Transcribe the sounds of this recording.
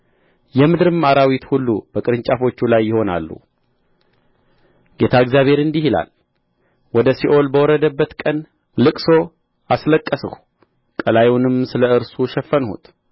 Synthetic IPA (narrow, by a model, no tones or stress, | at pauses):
jɛmɨd̪ɾɨmaɾawit̪hulːubəkʼɨɾɨɲt͡ʃʼafo̞t͡ʃːulajːɪho̞na̰lːṵ | ɡ̥e̞t̪ʰaɨɡzjaβʱhe̞ɾɨnd̪ihila̰l | wɔd̪əsiʔo̞lbəwɔɾəd̪əbːət̪kʼən | lɨkʼso̞ | asləkʼːəsɨ̰hu | kʼəlajunɨmsɨləɨɾsuʃɛfːənhṵt̪ʼ